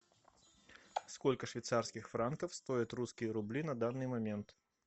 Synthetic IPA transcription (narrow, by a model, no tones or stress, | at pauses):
skolʲkəʂvʲɪjt̪sarskʲɪxfɾankəfst̪oɪt̪ruskʲɪjəɾʊblʲinɐd̪anːɨjmɐmʲe̞nt̪